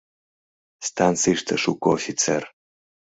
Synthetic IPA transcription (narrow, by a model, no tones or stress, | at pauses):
st̪ʰant͡sʰɨjʂt̪ʰɐʂukʰoofʲit͡sʰḛr